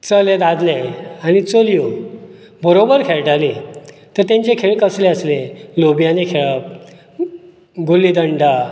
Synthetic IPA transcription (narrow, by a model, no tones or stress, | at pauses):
t͡səled̪ad̪leañit͡soliju | bəɾobəɾkʰeɭʈali | t̪əɾt̪ãɲt͡ɕekʰeɭkəsleəslelobijãnekʰeɭəp̚ | ɡulid̪əɳɖa